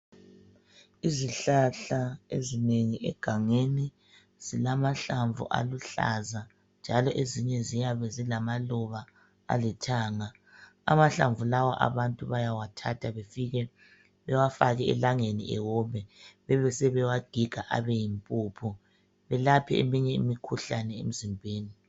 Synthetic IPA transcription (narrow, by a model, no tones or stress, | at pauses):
iziɬaɬaezineŋiʔɛ̰ɡ̥ʱaŋeni | z̥ilamaɬaɱvṵʔa̰luɬa̰za | nd͡ʒʱalɔʔeziɲɛzijaβɛzilamalɔβa | a̰litʰaːŋa | a̰maɬaɱvulawaʔa̰βantʼuβajawatʰatʰaβefiɣɛ | βɛwafaɣɛɛ̰laŋeniʔɛ̰wɔmɛβɛβɛsɛβɛwaɡ̥ʱiɡ̥ʱaʔa̰βɛjimpʼuːpʰu | βɛlapʰiḛmiɲɛḭmikʰuɬanɛḛm̩zimbʱeːni